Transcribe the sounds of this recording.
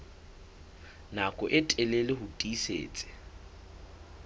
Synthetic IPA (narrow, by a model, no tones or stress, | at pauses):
nakʼɔʔɪtʼɛlelɪɦʊtʼisḛːt͡sʼɪ̥